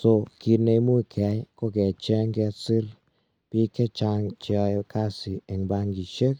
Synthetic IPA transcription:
so˧ki˧ɾne˧˦mu˦˨kʰɛ˧˦jkɔ˦kɛ˨t͡ʃɛ˦ŋɡɛ˧si˦ɾ | pi˧kɛ˦t͡ʃa˧ŋt͡ʃɔ˧jkʰa˦si˨ɛ˨ŋba˧ŋɡi˨ʃe˦k̚

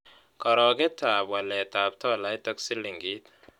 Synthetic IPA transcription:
kɔ˨ɾɔ˨ɡɛ˦ta˨bwa˨lɛ˨ta˨b̚tɔ˦˨la˦jtɔ˦ksɪ˦li˨ŋɡi˦t̪

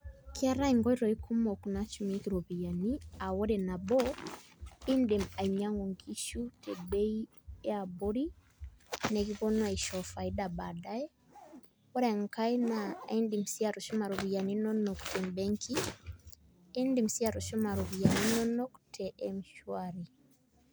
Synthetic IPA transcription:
ki˦a˦ɾa˦iŋɡɔ˦i˦ɾɔ˨i˦kʰu˦mɔ˨ku˨na˦t͡ʃumi˦ki˨ɾɔ˨βi˨ja˨nia˨wɔ˦ɾɛ˨na˨bɔ˦ | i˦nde˨ma˨iɲa˦ŋɡɔ˨ŋɡi˦ʃu˦tʰɛbɛ˦i˦ | ɛ˦a˨bɔ˦ɾi˦ | nɛ˨ɣi˦βɔ˦n˦a˨i˨ʃɔ˨fa˨i˦da˨ba˨da˦ɛ˦ | ɔ˦ɾɛ˨ŋka˦inai˦ndi˨m̩si˦a˨ɾɔ˨ʃɔ˦ma˨ɾɔ˨βi˨ja˨ni˦nɔ˦nɔ˨ktɛ˨mbɛ˦ŋkʰi˦ | ndi˨msi˦a˨ɾɔ˨ʃɔ˦ma˨ɾɔ˨βi˨ja˨ni˦nɔ˦nɔ˦ktʰɛʔɛmʃwaɾi

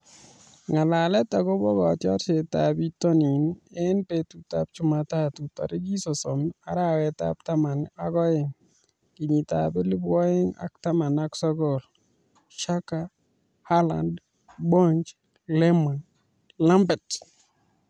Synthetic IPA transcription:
ŋa˨la˨lɛ˦ta˨ɡɔ˦bɔ˦ɡɔ˨tjɔ˦ɾt͡ʃe˨tabi˦tɔ˦ni˨nɛ˦npetu˨ta˦p̚t͡ʃu˦ma˨ta˦tu˨ta̰˨ɾi˦ɡi˦sɔ˨sɔ˨ma˦ɾa˦wɛta̰p̚ta˦ma˨nakɔ˦ɪ˨ŋ | ki˨ɲi˨ta̰˨bɛ˦li˦bɔ˦ɪ˦ŋa̰˨k̚ta˦ma˨na˦ksɔ˦ɡɔ˨l | ʃa˦ka | ha˦la̰˨nd | bɔ˦ɲt͡ʃ | lɛ˦ma˨n | la˦mbɛ˨t

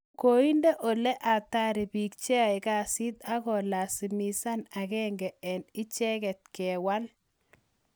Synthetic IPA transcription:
ko˨i˦nde˦ʔo˨le˦ʔa˨ta˦ɾi˨bi˨k̚t͡ʃe˦a˨ɪ˨ka˨si˦t̪a˦ɣɔ˨la˨si˨mi˨sa˦na˨ɣɛ˦ŋɡɛ˨ɛ˨nɪ˦t͡ʃɛ˦ɣɛ˨t̚kɛ˨wa˦l

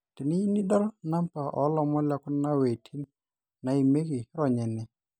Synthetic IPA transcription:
tɪ˨ni˦i˦ni˦dɔ˦lna˦mpa˨ʔɔ̰˦lɔ˦mɔ˦la˦kʊ˦na˦we˨tʰi˦n | na˨i˨me˦ɡi˨ɾɔ˨ɲɛ˨nɛ˨

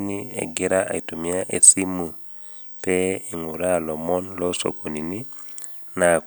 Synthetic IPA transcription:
ni˦ḛ˨ɡe˦ɾa˦ʔa̰˨i˨tu˨mi˨˦a˦ʔe˨si˦mu˨ | pɛ˦e˨ŋu˨ɾa˦lɔ˨mɔ˦nlɔso̰˨ko˨ni˨ni˦ | na˨

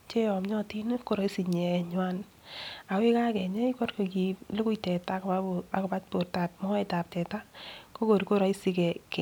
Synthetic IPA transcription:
t͡ʃe˦jɔ˨mɲɔ˦ti˦n˦ko˨ɾɔ˨i˦si˨ɲɛ˨ɲwa˦n | a˨we˦ka˦kɛ˨ɲɛ˦i˦kɔ˦rko˨ki˨lʊ˦kʊ˦i˨tɛ˨ta˦kaa˨ko˨pa˦t̚po˨rta˨t̚mɔ˦e˦ta˨p̚tɛ˨ta˦ko˦ko˨ɾi˨ko˦ɾɔ˨i˦si˧kɛ˨kɛ˨

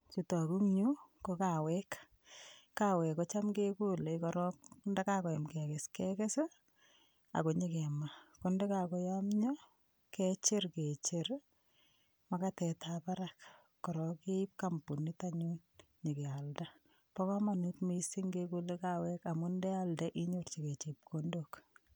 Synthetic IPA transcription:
t͡ʃi˨tɔ˨ku˦ŋɲu˦koka˨wɛk | kːa˦wɛ˨kɔt͡ʃa˦mke˦ku˦le˨kɔɾɔknda˦ka˦kɔ˨ɛ˨mkɛ˨kɛ˨skɛkɛ˦s | a̰˨ko˨ɲeke˨makɔnde˦ka˨kɔ˦jamɲɔ˦ | ke˦t͡ʃe˦ɾke˨t͡ʃeɾ | ma˨katɛtʰapa˦ɾak | kːɔ˨ɾɔke˦p̚kampu˨nitaɲu˦n | ɲe˨kɛ˨alda | pɔ˦ka˦manu˦tmisi˦ŋɡeku˦lekawɛka˨mundɛ˦aldaʔi˦ɲort͡ʃike˨t͡ʃi˨p̚kʰondok

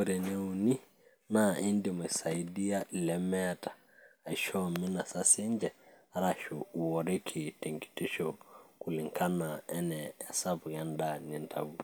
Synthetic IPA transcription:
oɾe˨ne˦uni˦ | naʔi˦ndi˨mu˨sa˨i˦di˦ja˦lɛ˨mɛ˦tḁ˨ | a˨ʃɔ˦mi˦na˨sa˦si˦ɲd͡ʒɛ˨˦ɾa˨ʃu˨wɔ˨ɾe˦kʰi˨te˨ŋki̥˨ti˦ʃɔku˨li˨ŋkʰa˦na˨ɛ˦nɛː˨sa˦bu˨ja˦nda˨ni˦ntʰa̰˨ɡu

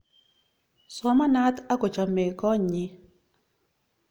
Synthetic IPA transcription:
sɔ˦ma˦na˦ta˦kɔ˨t͡ʃa˨me˨kɔ˦ɲi˦

